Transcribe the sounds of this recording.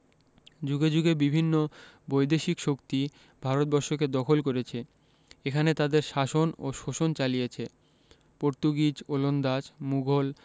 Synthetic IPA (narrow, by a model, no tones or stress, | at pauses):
d͡ʑuɡed͡ʑuɡebibʱinːo | bojd̪eʃikʃokt̪i | bʱaɾot̪̚bɔɾʃoked̪ɔkʰolkoɾet͡ɕʰe | ekʰanet̪ad̪eɾʃaʃono̰ʃoʃont͡ɕalijet͡ɕʰe | poɾt̪uɡid͡ʑolond̪ad͡ʑmuɡʱol